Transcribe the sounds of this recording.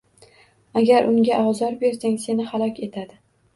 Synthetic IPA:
aɡʲaɾʔʊŋɡʲaʔɒzɒɾbe̞ɾsaŋse̞nɪhalˠɒkʲʰe̞t̪ʰad̪ɪ

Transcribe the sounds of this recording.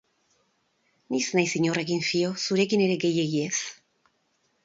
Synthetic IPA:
nisnajsiɲo̞rekinfio̞suɾe̞kine̞ɾe̞ɡe̞je̞ɣies

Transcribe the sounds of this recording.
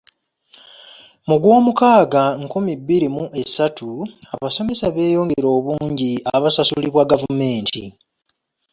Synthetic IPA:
muɡwo̞ːmukaːɡaŋkumibːiɾimuʔe̞sːatʰuaβaso̞me̞saβe̞ːjo̞ːŋɡeɾo̞ːβuːɲɟiaβasasuliβwaɡavume̞ːntʰḭ

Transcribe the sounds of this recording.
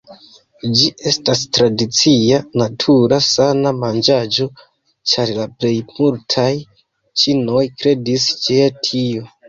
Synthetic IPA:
d͡ʒiʔe̞stastɾadit͡sianatʰuɾasanamand͡ʒad͡ʒo̞ | t͡ʃaɾlaple̞jmultʰaj | t͡ʃino̞jkɾe̞dist͡ʃeatʰio

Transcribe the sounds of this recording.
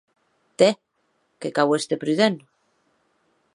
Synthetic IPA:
t̪e | kekawest̪epɾyðen

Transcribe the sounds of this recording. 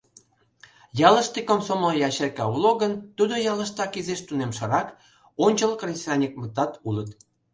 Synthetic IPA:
jɑlə̆ʃt̪ikomsomojɑɕerkɑuloɣənt̪ud̪ojɑləʃt̪ɑkizeʃt̪unemʃə̆ɾɑk | onʲt͡ɕəlkrʲisʲrɑnʲik̚mə̆t̪ɑt̪ulət̪

